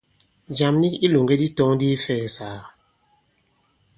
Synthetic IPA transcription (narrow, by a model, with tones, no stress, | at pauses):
d͡ʒa˨mni˦ki˦lo˨ŋɡe˦di˦tɔ˦ŋdi˦fɛː˦˨saː˨